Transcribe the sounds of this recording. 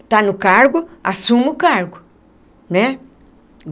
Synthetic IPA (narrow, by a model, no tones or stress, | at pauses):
t̪anʊkaɾɡʊasũmɪʊkaɾɡʊ | nɛ